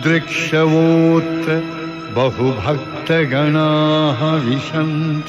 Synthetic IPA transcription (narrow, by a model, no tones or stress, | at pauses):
d̪ɾɪkʂɐʋoːt̪ɐ | bɐɦubʱɐk̚ | t̪ɐɡɐɳaːɦɐʋiʃɐnt̪